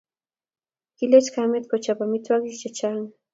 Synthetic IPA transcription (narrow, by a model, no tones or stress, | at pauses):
kɪlet͡ʃkamɪt̪kot͡ʃapamɪt̪wakɪt͡ʃat͡ʃaŋ